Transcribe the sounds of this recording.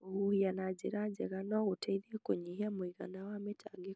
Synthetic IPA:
ɣuhianad͡ʒeɾad͡ʒɛɣanɔɣutaiðekoɲihiamwiɣa̰nawametʰaɡikɔ

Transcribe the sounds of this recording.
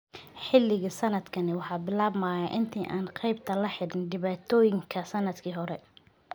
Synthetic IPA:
ħɪlːɪɣɐsɐnɐd̪kʰɐnɪwɑħɑːbɪlaːbmaːjɐʔɪnt̪ʰiːʔaːnqɑjb̚t̪ʰɐlɐħɪɽɪnɖɪβaːt̪ʰɔːjɪŋkʰɐsɐnɐd̪kʰiːɦɔɾɛ

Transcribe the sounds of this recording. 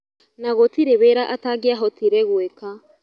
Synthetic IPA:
naɣotiɾeβeɾaʔataɡeaɦɔtiɾɛɣweka

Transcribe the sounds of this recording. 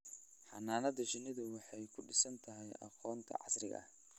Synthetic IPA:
ħɑnaːnɐðɐt͡ʃɪnɪðʊwɑħɑjkʰʊɖɪsɐnt̪ʰɐɦɛjʔɑ̰qɔːnt̪ʰɐ̰ʕɑ̰srɪɣɐ̰ʔɐ̰

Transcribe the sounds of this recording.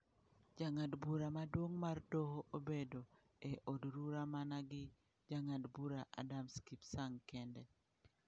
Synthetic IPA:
d͡ʒaŋadbuɾamadwoŋmardohoʔobedo | eʔodɾuɾamanaɡɪ | d͡ʒaŋadbuɾaʔadamskipsaŋkɛndɛ

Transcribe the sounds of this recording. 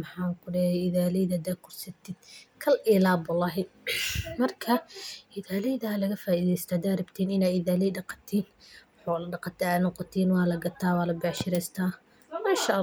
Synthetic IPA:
mħɑːkʰʊɖɛɛɪðaːlɛðɐd̪aːkʰʊrsɐt̪ʰɪd̪̥̚kʰɐlʔɪlaːbwɑlːɑːɦɪ | mɐrkʰɐʔɪðaːlɛðɐlɐɣɐfaːʔiːðɛjst̪ʰɐːd̪aːɾɪbt̪ʰiːnɪnaːɪðaːlɛːɖɑqɑ̥t̪ʰiːn | ħɔːlɐɖɑqɑt̪ʰɐaːnɔqɔt̪ʰiːnwɑːlɐɡɐt̪ʰaːwɑːlɐbɛʕʃɪɾɛjst̪ʰaː | maʃɐʔ

